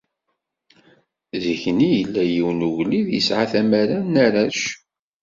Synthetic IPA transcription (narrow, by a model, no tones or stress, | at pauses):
ziçnijəlːæjiwnuʝliðjə̰sʕaθæmæɾanːaɾæʃ